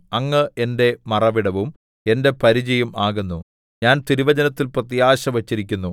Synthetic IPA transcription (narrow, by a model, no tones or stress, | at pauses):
ɐŋːɨʔe̞nde̞mɐrɐʋiɽɐʋum | e̞nde̞pɐɾid͡ʑɐjumaːɣunːu | ɲaːnt̪iɾiʋɐd͡ʑɐnɐt̪ːilprɐt̪ijaːɕɐʋɐt͡ɕːiɾikʲːunːu